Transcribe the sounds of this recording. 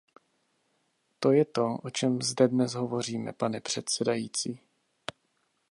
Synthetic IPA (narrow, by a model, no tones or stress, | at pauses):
t̪o̞jɛt̪o̞ʔot͡ʃɛmzdɛdnɛsɦo̞vo̞r̝iːmɛ̰panɛpr̝̥ɛt̪sɛdajiːt͡siː